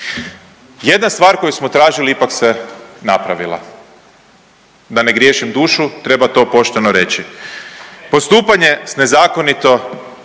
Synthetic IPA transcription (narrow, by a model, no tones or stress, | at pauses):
je̞d̪nast̪ʋaːɾko̞jusmo̞t̪ɾaːʒiliipaksenapɾaʋilˠa̰ | d̪ane̞ɡɾjeʃimd̪uːʃut̪ɾe̞bat̪o̞ːpo̞ʃt̪enoɾe̞t͡ɕi | po̞st̪uːpaɲe̞sne̞zaːko̞nit̪o̞